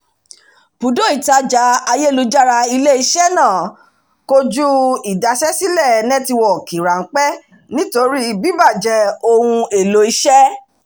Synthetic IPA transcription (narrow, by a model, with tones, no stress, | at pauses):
pu˨do˦i˦˨ta˧d͡ʒa˨˦a˧je˦˨lu˧d͡ʒa˦ɾa˧i˧le˦i˧ʃɛ˦nã˦˨ | ko˧d͡ʒu˦i˨da˨ʃɛ˦si˦lɛ˦˨nɛ̃˦ti˧wɔ˨ki˨ɾa˨ŋ̩˦k͡pɛ˦ | nĩ˦to˧ɾi˦i˧˨bi˦ba˦˨d͡ʒɛ˧o˧hũ˧e˨lo˧˦i˧ʃɛ˦